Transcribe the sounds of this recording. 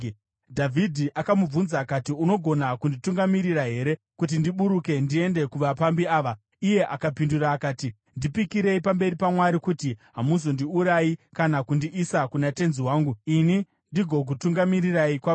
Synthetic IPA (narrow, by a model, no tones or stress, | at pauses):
dʱavʱidʱiʔakamub͡vvunzaːkatiuno̞ɡʱo̞nakundituŋɡamiɾiraɦe̞ɾe̞ | kut̬indiɓuɾuke̞ndie̞nde̞kuʋapambiaːʋa | ije̞ʔakapinduraːkaːti | ndipikiɾe̞ipambe̞ɾipamwaɾikutiɦamus̬ondiuɾaikanakundiʔisakunate̞nziwaːŋɡuini | ndiɡʱo̞k̬utuŋɡamiriraikwa